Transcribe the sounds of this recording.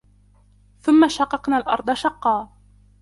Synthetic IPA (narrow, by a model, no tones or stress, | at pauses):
θʊmːaʃɑqːɑqnaːlʔɑ̰ɾˤd̪ˤɑʃɑqːɑː